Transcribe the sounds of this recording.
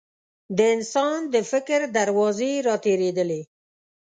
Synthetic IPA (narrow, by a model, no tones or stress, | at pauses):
d̪əɪnsɑnd̪əfɪkɾd̪aɾwɑzeɾɑt̪eɾed̪əle